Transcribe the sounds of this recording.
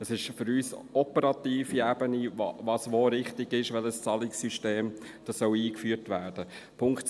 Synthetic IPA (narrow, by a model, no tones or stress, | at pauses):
əsɪʃfʏɾyːsɔpəɾɑt̪iːfiæb̥əniʋɑsʋoɾɪχtɪɡɪʃʋɛləst͡sɑlɪksyʃteːm | d̥ɑsœwiːkfyːrtʋæːɾd̥ə | pʰʊŋkt